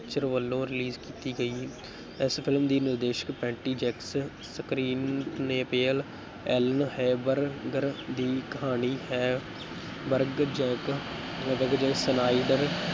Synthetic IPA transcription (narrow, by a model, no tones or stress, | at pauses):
kt͡ʃəɾʋəlːõːɾɪliːzkiːt̪iːɡəiː | ɪspʰɪlmd̪iːnɪɾd̪eːʃə̥kpɛ̃ːɳʈiːd͡ʒɛːks | səkɾiːnneːpeːəl | ɛːlənhɛːbəɾɡəɾd̪iːkəɦaːniːɦɛː | bəɾɡd͡ʒɛ̃ːkbəɡd͡ʒɛ̃ːsənaːɪɖəɾ